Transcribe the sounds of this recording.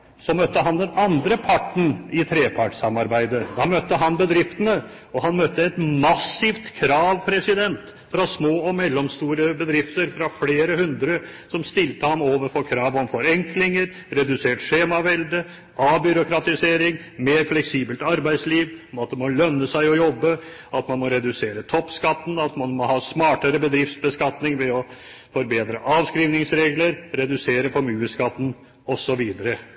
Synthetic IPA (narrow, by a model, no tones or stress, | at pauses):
sɔmœt̪ːəɦɑnd̪ɛnɑnd̪ɾəpʰɑʈɳ̩ɪt̪ʰɾeːpʰɑʈʂɑmɑɾbæɪd̪əd̪ɑmœt̪ːəɦɑnbəd̪ɾɪft̪ənə | ɔɦɑnmœt̪ːəɛt̪mɑsːɪʋt̪kʰɾɑːʋpʰɾɛsɪd̪ɛnt̪ | fɾɑsmoːɔmɛlːɔmst̪uːɾəbəd̪ɾɪft̪əɾfɾɑfleːɾəhʉnd̪ɾəsɔmst̪ɪlt̪əhɑmoːʋəɾfɔɾkʰɾɑːʋɔmfɔɾɛŋklɪŋəɾ | ɾɛd̪ʉseːʈʂeːmɑʋɛld̪ə | ɑːbʏɾʊkɾɑt̪ɪseːɾɪŋ | meːɾflɛksiːbəlt̪ɑɾbæɪsliːʋmɑt̪̚d̪ɛmɔlœnːəsæɪɔjɔbːə | ɑt̪mɑnmɔɾɛd̪ʉseːɾət̪ʰɔpːskɑt̪ːn̩ɑt̪mɑnmɔhɑːsmɑːʈəɾəbəd̪ɾɪft̪sbəskɑt̪nɪŋʋɛɔ | fɔɾbeːd̪ɾəʔɑːʋskɾiːʋnɪŋsɾeːɡləɾɾɛd̪ʉseːɾəfɔɾmjʉːəskɑt̪ːn̩ | ɔsɔʋiːd̪əɾə